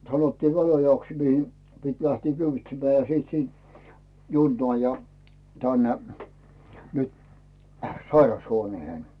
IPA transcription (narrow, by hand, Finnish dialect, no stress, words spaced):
sɑnotːiːʋ ʋælojɑks mihi pit læhtiː kyʋitsemːæː jɑ siˑt siːnt junːoɑˑ jɑ tænːe nyt sɑirɑshuoneːhen